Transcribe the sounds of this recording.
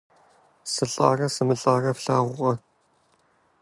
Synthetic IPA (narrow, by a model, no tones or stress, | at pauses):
sɨɬʼa̰ːrɐsɨmɨɬʼaːrɐfɬaːʁʷʊʁɐ